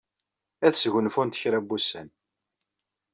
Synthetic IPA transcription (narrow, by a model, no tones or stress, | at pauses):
æθsʝənfʊnt̪ə̥çɾæbːusæn